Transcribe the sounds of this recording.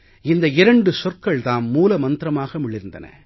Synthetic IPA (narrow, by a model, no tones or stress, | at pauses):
ɪnd̪ɐɪɾɐɳɖɯsɔrkɐɭt̪aːnmuːlɐmɐnt̪ɪɾɐmaːɣɐmʊɭɪɾɯnd̪ɐ̰nɐ̰